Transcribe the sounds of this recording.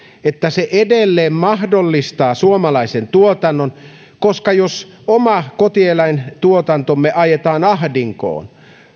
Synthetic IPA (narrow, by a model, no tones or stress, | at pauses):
et̪ːæseʔedelːeːmmɑhdolːist̪ɑːsuomɑlɑisent̪uot̪ɑnːon | koskɑjos | omɑkot̪ielæint̪uot̪ɑnt̪omːeʔɑjet̪ɑːnɑhdiŋko̰ːn